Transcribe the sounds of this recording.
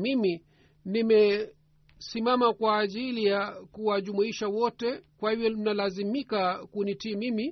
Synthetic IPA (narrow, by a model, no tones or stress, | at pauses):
mimi | nimɛ | simamakwaːʄilijakuwaʄumuiʃawɔtɛkwahivjɔm̩nalazimikakunitiːmimi